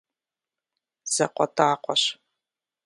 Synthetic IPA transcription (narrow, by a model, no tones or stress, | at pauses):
z̥ɐqʷɔtʰaːqʷɔɕ